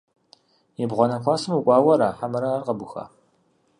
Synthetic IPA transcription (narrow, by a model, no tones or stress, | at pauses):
jɛbʁʷɔnɐkʷʰɑːsɨmukʷʼɑːwɐɾaːħamɐɾaːrqɐbʊxa̰ː